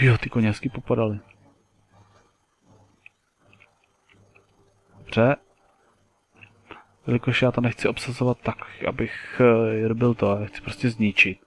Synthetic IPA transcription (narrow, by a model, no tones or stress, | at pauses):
jot̪ɪkoɲɛskipopadalɪ | dobr̝̥ɛ | jɛlɪkoʃjaːt̪onɛxt͡sɪo̞psazovat̪ːakʔa̰bɪxɛɾbɪlt̪oaːxt͡sɪ̥pɾoscʲɛzɲɪt͡ʃɪt̪̚